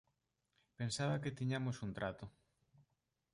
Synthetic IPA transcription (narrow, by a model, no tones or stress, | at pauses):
pensaβɐket̪iɲamosunt̪ɾat̪o